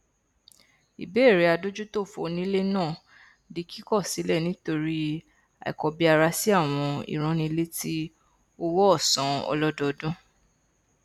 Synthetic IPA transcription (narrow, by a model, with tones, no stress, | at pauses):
ḭ˨be˨˦˨ɾe˨˦a˧do˦d͡ʒu˦to˦˨fo̰˧˨nĩ˦le˦nãː˦˨ | di˨˧˦kʰi˦kɔ˦˨si˨˦lɛ˦˨nĩ˨˦to˧ɾi˦ | a̰˨ḭ˨kɔ˨bi˧a˧ɾa˧si˦a˦˨w̃ɔ̃˧ḭ˨ɾ̃ɔ̃˨˦nĩ˧˦le˦ti˦ | o˦wɔ˦ɔ˦˨sã˨ɔ̰˧lɔ˦dɔ˧dũ˦